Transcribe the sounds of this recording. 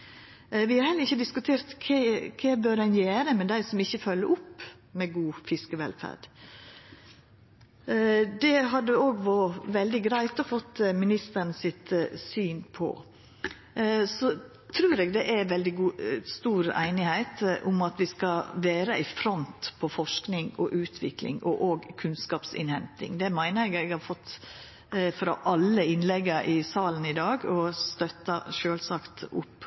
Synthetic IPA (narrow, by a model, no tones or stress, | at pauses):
ʋɪhɑɾhɛlːəɾɪçːəd̪ɪskʉt̪ʰeːɾt̪kʰkʰɛbøɾɛnjeːɾəmɛd̪æɪsɔmɪçːəfœlːəɾʔʊp | mɛɡuːfɪskəʋɛ̰lfæ̰ɖ̥ | d̪ɛɦɑd̪əoːɡʋoʋɛld̪ɪɡɾæɪt̪ɔfɔt̪ːmɪnɪst̪əɾnsɪt̪syːnpʰɔ̰ | sɔ | t̪ʰɾʉːɾɛːɡd̪ɛʔæʋɛld̪ɪɡuːst̪uːɾæ̰ɪnɪhæɪt̪ʔʊmɑt̪ʋɪskɑʋæːɾəæɪfɾɔnt̪pʰɔfɔʂknɪŋɔʔʉːt̪ʰʋɪklɪ̰ŋʔɔʔoɡkʰʉnskɑːpsɪ̰nhɛmt̪ɪ̰ŋd̪ɛmæɪnəɾɛɡɛɡhɑfɔt̪ː | fɾɔ̰ʔɑlːəɪnlɛɡːəʔɪsɑːlən̩ɪd̪ɑːɡɔst̪œt̪ːɑʃøːlsɑkt̪ʊpː